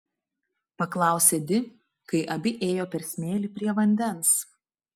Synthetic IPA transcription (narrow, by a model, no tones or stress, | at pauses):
pɐklˠɑˑʊsʲeːd̪ʲɪ | kɐɪʔɐbʲɪʔeːjoːpʲɛɾʲsʲmʲeːlʲiːˑpʲɾʲiɛʋɐnʲd̪ʲɛnˑs